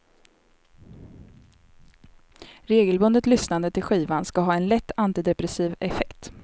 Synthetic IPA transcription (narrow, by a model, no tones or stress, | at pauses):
ɾeːɡəlbɵnd̪ət̪lʏsnand̪ət̪ʰɪlɧiːvanskaɦɑːɛnlɛt̪ːant̪ɪd̪ɛpɾɛsiːvɛfɛkt̪